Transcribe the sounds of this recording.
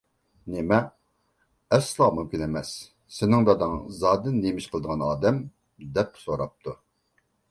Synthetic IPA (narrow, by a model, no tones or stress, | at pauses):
nɪmɛ | ɛslˠɑmymkʲinɛmɛs | sɪnɪŋd̪ɑd̪ɨŋzɑːd̪ɨnːemɪʃqʰəlˠd̪əʁɑnɑːd̪ɛm | d̪ɛpsoɾɑp̚t̪ʰu